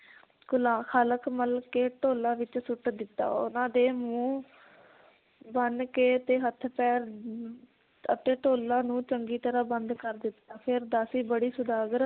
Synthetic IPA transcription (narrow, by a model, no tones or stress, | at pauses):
ɡʊlãːkʰaːləkməlkeːʈoːlãːʋɪt͡ʃsʊʈd̪ɪt̪ːa̰ːʊ̰nãːd̪eːmũː | bənkeːt̪eːɦət̪ʰːpɛːɾ | ət̪eːʈoːlãːnũːt͡ʃəŋɡiːt̪əɾaːbənd̪kəɾd̪ɪt̪ːaːpʰɪɾd̪aːsiːbəɽiːsʊd̪aːɡəɾ